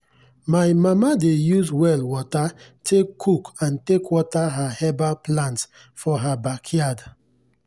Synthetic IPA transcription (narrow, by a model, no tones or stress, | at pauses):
maɪmamadejuzwɛlwɔtatʰekʰːukãntekwɔtaɦahɛbaplãnts | fɔɦabakʰjad